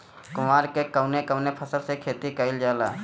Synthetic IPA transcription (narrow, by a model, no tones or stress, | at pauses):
kʊmaːɾkekəʊnekəwnepʰəsəɾsekʰeːt̪ikəɪld͡ʒaːlaː